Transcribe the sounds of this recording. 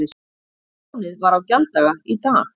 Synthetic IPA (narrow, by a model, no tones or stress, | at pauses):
ɪs | wnɪðvaɾawcalt̪aɣait̪aː